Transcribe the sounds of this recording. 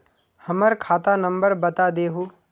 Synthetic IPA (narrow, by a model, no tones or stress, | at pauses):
hɐməɾkʰaːt̪anə̃mbəɾbɐt̪ad̪eːɦoː